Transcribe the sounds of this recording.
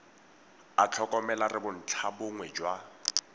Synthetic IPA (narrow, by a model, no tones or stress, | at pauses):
at͡ɬʰɔkʼɔmɛlarɪbʊn̩t͡ɬʰabʊŋwɛd͡ʒwa